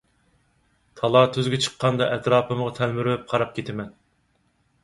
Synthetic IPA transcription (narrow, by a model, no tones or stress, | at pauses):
t̪ʰɑlˠɑt̪ʰøzɡʲɛt͡ʃʰə̥qʰːɑnd̪ɑʔɛt̪ɾɑːpɨməʁɑt̪ʰɛlmyɾwɛp̚qʰɑɾɑp̚kʲʰet̪ʰɪmɛn